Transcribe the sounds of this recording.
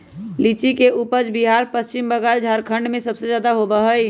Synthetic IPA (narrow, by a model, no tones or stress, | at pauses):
lit͡ʃikeʔuːpəd͡ʒbiɦaːɾpəst͡ʃɪmbəɡaːld͡ʒʱaːɾkʰə̃ɳɖmẽsəbsed͡ʒjaːd̪aɦobəɦəi